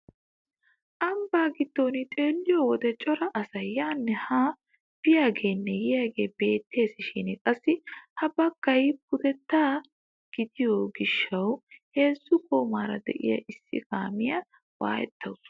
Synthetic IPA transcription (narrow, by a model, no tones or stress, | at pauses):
ʔɐmbaːɡɪd̪ːo̞ːnɪt̪ʼe̞ːlːɪjowɔd̪ɛt͡ʃʼɔɾɐʔɐsɐjːaːnːɛhaː | b̥ɪjaːɡe̞ːnːɛjɪjaːɡe̞ːbe̞ːt̪ːe̞ːsɪʃɪnɪkʼɐsːɪhɐbɐkːɐjpʊd̪ɛt̪ːaː | ɡ̥ɪd̪ɪjoːɡɪʃːɐwhe̞ːzːʊkʰʼoːmaːɾɐd̪ɛ̰ʔɪ̰jɐ̰ʔɪsːɪ̰kaːmɪjɐ | wa̰ːjɛ̰t̪ːɐwʊs